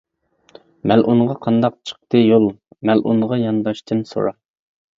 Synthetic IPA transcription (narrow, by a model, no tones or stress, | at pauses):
mælʔunʁɑqʰɑnd̪ɑq̚t͡ʃʰə̥q̚t̪ɨjolˠmælʔṵnʁɑjɑnd̪ɑʃt̪ʰɨnso̰ɾɑ